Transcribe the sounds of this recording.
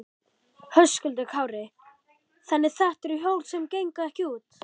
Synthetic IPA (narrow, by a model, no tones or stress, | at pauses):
hœskʏlt̪̬ɪkʰaːwɾɪ | θanːɪ̥θaht̪ɛɾʏɦjowlsɛmcejŋkaɛhcɪuːt̪